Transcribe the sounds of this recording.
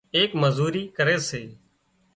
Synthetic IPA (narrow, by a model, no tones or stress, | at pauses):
eːkməzuːɾiːkəɾeːseː